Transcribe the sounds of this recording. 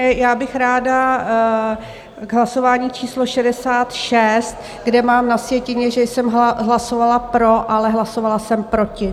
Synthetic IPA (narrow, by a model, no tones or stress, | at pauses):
jaːbɪxɾaːda | ɡɦlaso̞vaːɲiːt͡ʃiːslo̞ʃɛdɛsaːt̪ʃɛst̪ | ɡdɛmaːmnasvjɛcɪɲɛʒɛjsɛmɦɦlaso̞valapɾo̞ʔalɛɦlaso̞valasɛmpɾo̞cɪ